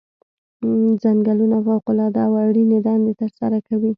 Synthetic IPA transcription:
zaŋɡalunafawqʊlɑd̪aːwaɽinɪd̪ɑnd̪et̪əɾsaɾakawi

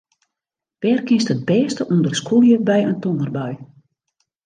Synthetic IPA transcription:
ʋ̥ɛːrkɪstəd̚bɛːstəʔundərskʰulˠjəbɛjəntonərbœɥ

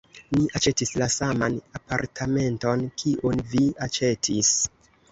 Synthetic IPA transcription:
niʔat͡ʃe̞tislasama̰napaɾtʰame̞nto̞nkʰiʔonviat͡ʃe̞tʰis

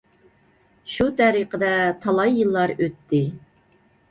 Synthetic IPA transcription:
ʃut̪ʰɛɾiqʰəd̪ɛt̪ʰɑlˠɑjːɨlˠːɑɾøt̪ʰːɪ

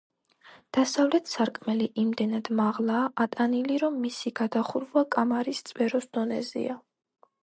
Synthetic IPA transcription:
d̪̥asavlɛt̪ʰsaɾkʼmɛliʔimd̪ɛnad̪̥maʁlˠaːʔat̪ʼaniliɾɔmːisiɡad̪aχuɾvlˠakʼamaɾist̪sʼpɛɾɔsd̪ɔnɛzḭa

